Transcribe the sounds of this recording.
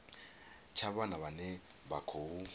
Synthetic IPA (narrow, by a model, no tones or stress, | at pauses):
t͡ʃʰaβanaβanɛbakʰou